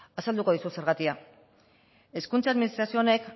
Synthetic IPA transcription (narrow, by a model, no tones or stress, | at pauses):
asald̪uko̞ð̞isuse̞ɾɣat̪ia | e̞skunt͡saðminist̪ɾasio̞ne̞k